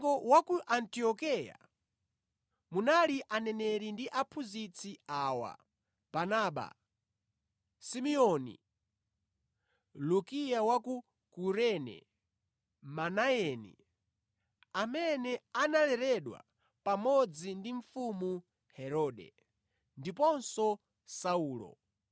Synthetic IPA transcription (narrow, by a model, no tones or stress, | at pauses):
ɡɔwakuʔantiɔkɛja̰ | munaliʔanɛnɛɾindiʔapʰuzit͡sʰiaːwa̰ | b̥anaːɓa̰ | simiɔnḭ | lukijawaku | kuɾɛnɛ̰ | manaɛnḭ | amɛnɛanalɛɾɛɗwa̰ | pamɔd͡zindiɱ̩fumu | hɛɾɔːɗɛ̰ | ndipɔnsɔ | sauːlɔ̰